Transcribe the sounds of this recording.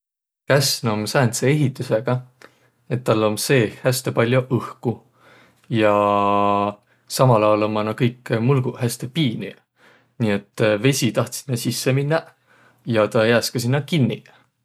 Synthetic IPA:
kæsnomsæːnt̪see̞ɦit̪ːˑuseɡ̥ɑ | e̞t̪ːɑlːo̞mse̞ːhæst̪epɑlʲjoʔɤhku | jɑ | sɑmɑlɑwlommɑnɑkɤjkːmulɡ̥uhæst̪epiːnḭ | niːe̞t̪ˑːve̞sʲit̪ɑht̪si̥t̪mesisːeminːɑ | jɑt̪ɑjæːskɑsinːɑkinːi

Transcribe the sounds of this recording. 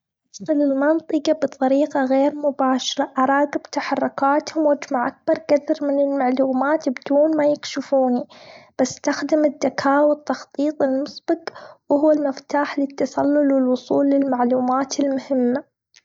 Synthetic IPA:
at̪qɪlɪlmɑnt̪ˤɨqɑbɨt̪ˤɑɾiːqɑɣeːɾmʊbaːʃɪɾaʔɑɾˤɑːɡɪbt̪aħɑrˤːʊkaːt̪hʊmwad͡ʒmaʕʔak̚bɑɾˤɡad̪ɪɾmɪnɪlmaʕluːmaːt̪bd̪uːnmajɪkʃɪfuːnib̥asːt̪axd̪ɪmɪd̪ːakʰaːwɪt̪ːɑxt̪ˤiːt̪ˤɪlmʊsˤb̥ɪqwhʊwːalmɪft̪aːħlɪt̪ːɑsɑlːʊlwɪlwʊsˤuːlːɪlmaʕluːmaːt̪ɪlmʊhɪmːa

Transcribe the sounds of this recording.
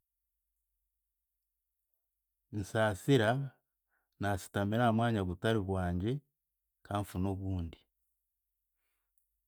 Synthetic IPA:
n̩saːsiɾa | naːsi̥tamiɾaːmwaːɲaβutaɾiβwaːɲɟe̞ | kʰaːɱfunoβuːndi

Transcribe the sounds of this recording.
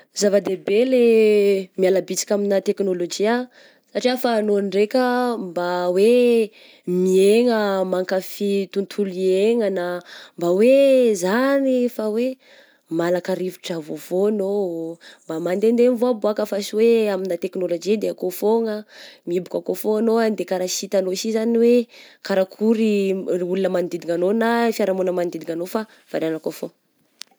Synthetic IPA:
zavad̪ebele | mialabit͡si̥kʲaminat̪eknolod͡ʒia | saʈ͡ʂiafanonɖ͡ʐekʲəmbawe | mieŋəmaŋkafit̪unt̪ʰulieŋanəmbawezanifawe | malakaɾivi̥ʈ͡ʂavovoanombamand̪end̪envoaboakəfasiweaminat̪eknolod͡ʒid̪eakofoŋəmiibukakofoanoand̪ekaɾaʃit̪anosizaniwekaɾakʰuɾiulinəmanid̪id̪iŋanonafiaɾamunəmanid̪id̪iŋanofa | v̥aɾanakofo

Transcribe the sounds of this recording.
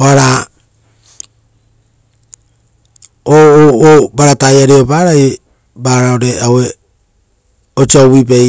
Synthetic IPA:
oaɾa | ooobaɾatajaɾeobaɾaj | baːɾaoɾe̞awe | ot͡ʃiawipej

